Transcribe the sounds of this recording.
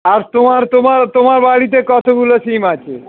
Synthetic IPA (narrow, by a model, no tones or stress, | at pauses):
aɾt̪omaɾt̪omaɾt̪omaɾbaɽit̪̬ekɔt̪ʰoɡulosimat͡ɕʰe